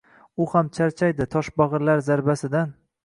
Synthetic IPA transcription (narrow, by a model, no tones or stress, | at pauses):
ʊhamt͡ʃʰaɾt͡ʃʰajd̪ɪt̪ʰɒʃbɒʁɨɾlaɾzaɾbasɪd̪an